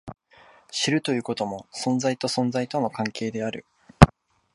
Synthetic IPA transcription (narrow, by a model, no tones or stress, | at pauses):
ɕiɾɯ̟t̪o̞jɯ̟ːko̞t̪o̞mo̞sõ̞nzait̪o̞sõ̞nd͡zait̪o̞no̞kãŋke̞ːd̪e̞aɾɯ̟̰